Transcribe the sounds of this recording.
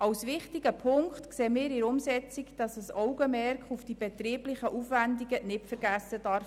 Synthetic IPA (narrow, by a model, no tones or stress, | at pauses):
ɑwsʋɪχtiɡəpʰʊŋkχtkseːmɪːɾɪɾʊmsɛt͡sikd̥ɑsəsɔwɡəmɛɾkχufd̥ibɛt̪riːblɪχəʔufʋændiɡənɪtfəɾɡ̥æsːəd̥ɑɾf